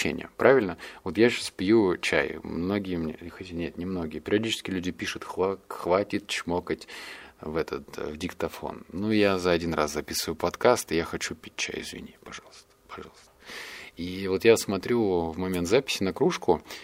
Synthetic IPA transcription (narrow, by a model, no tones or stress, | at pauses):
ḛnʲɪjə̰pɾʔavʲɪlʲnəvo̞t̪jaɕaspʲjut͡ɕæ̰jmno̞ɡʲɪjəmnʲḛxɐtʲanʲet̪nʲɪmno̞ɡʲɪjəpʲɪɾʲɪɐdʲit͡ɕɪ̥skʲɪlʲʉdʲɪpʲiʂʊt̪xaxvatʲɪt̪̚t͡ɕmokətʲvɛt̪ʰət̪vdʲɪkt̪ɐfo̰nːujazɐɐdʲinra̰szɐpʲisɨvɨjʊpɐt̪kast̪ɨjaxɐt͡ɕupʲit̚ʲt͡ɕæ̰jɪ̰zvʲɪ̰nʲipɐʐɑlˠəst̪ə̥pɐʐɑlˠst̪əivo̞t̪jasmɐt̪ɾʲuvmɐmʲent̪zapʲɪ̥sʲɪnɐkɾuʂkʊ